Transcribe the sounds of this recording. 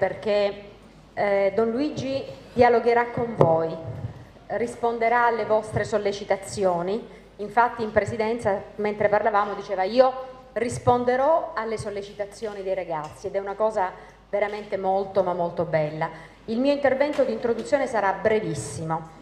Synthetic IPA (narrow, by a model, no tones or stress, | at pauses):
perk̟e | d̪ɔnluid͡ʒid̪̥ialoɡeɾakːoɱvoj | rispond̪eɾaːlːevɔst̪ɾesolːet͡ʃit̪at̪sːjoːni | iɱfat̪ːiːmpɾesid̪ɛnt̪sament̪ɾeparlavaːmod̪it͡ʃeːvaiːo | rispond̪eɾɔalːesolːet͡ʃit̪at̪sːjoːnid̪ejɾaɡat̪sːied̪ɛunakɔːza | veɾament̪emolt̪omamːolt̪obɛlːa | ilmiːoint̪ervɛnt̪od̪iːnt̪ɾod̪ut̪sːjoːnesaɾabɾevisːimo